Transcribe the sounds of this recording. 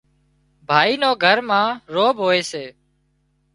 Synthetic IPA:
bʱaːiːnoːɡʱəɾmãːɾoːbɦoːeːseː

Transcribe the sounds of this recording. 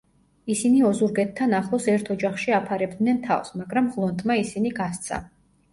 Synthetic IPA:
isiniɔzuɾɡɛt̪ʰːanaχlˠɔsɛɾt̪ʰɔd͡ʒaχʃiapʰaɾɛb̚d̪nɛnt̪ʰa̰vsmaɡɾamʁlˠɔnt̪ʼmaisiniɡast̪sʰa̰

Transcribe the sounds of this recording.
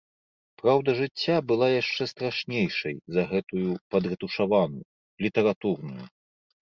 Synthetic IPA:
pɾawd̪ɐʐɨt͡sʲːabɨlˠajaʂt͡ʂɛst̪ɾaʂnʲejʂɐjzɐɣɛt̪ujupɐd̪rɨt̪uʂavanuju | lʲit̪ɐɾat̪urnṵjṵ

